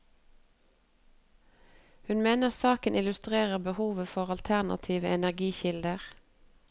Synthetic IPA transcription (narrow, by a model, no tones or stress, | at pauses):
hʉnmeːnəʁsɑːkənʔɪlʉst̪ʁeːʁəʁbəhuːʋəfɔʁɑlt̪ʰæʁnɑ̰t̪ʰiːʋəɛnæʁɡiːçɪld̪əʁ